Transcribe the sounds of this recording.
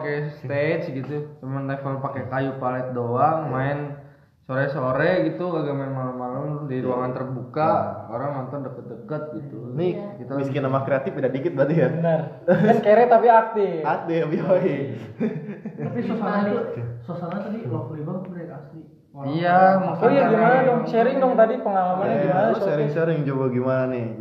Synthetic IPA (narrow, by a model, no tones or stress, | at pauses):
akɛst̪et͡ʃɡit̪ut͡ʃəmanakalopakɛkajupalɛt̪̚doaŋmaɪn | soɾɛsoɾɛɡit̪uaɡamaɪnmalamːalamdiɾuaŋant̪ərbukaoɾaŋmant̪ɔndəkət̪̚dəkət̪̚ɡit̪unikit̪aiskɪnːamakɾeat̪ɪfidaʔbikɪt̪̚bat̪ijabnaraskeɾɛt̪apiak̚deak̚deabioi | apisosaasosaɲat̪adilɔfulibabɾekasi | ijamasajaɡimanadɔŋʃɛɾɪŋdɔŋt̪adipəŋalamanimanaʃɛɾɪŋseɾɪŋd͡ʒobaɡimananɪ